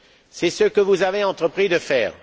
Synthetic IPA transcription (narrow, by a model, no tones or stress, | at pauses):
sɛsəkəvuzaveɑ̃t̪χəpχid̪əfɛːʁ